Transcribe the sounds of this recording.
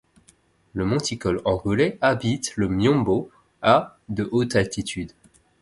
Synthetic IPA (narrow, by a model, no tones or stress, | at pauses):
ləmɔ̃t̪ikɔlɑ̃ɡulɛabit̪ləmjɔ̃bo | a | d̪əʔot̪alt̪it̪ʰyd̪